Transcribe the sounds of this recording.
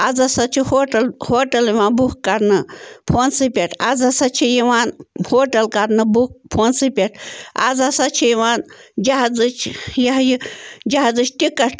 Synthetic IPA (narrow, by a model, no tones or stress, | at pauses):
ad͡zɐsɐt͡ʃʰihoːʈɐlhoːʈɐliʋaːnbukkːɐɾnɨpʰoːnsɨpʲeʈʰad͡zɐsɐt͡ʃʰijiʋaːnhoːʈɐlkɐɾnɨbuk̚pʰoːnsɨpʲeʈʰa̰d͡zɐsɐt͡ʃʰijiʋaːnd͡ʒɐɦd͡zɨt͡ʃʰjɐɦjid͡ʒɐɦd͡zɨt͡ʃʰt̪ikɐʈʰ